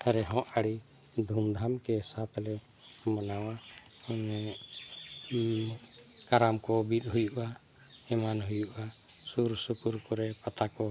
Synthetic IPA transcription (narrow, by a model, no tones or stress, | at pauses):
ɛɾɛɦɔ̃ʔaɽi | d̪ʱumd̪ʱamkɛsat̪ʰlɛ | manawa | nɛ | kaɾamkɔbit̪̚ˀɦujuʔa | ɛmanɦujuʔa | suɾsukuɾkɔɾɛpat̪akɔ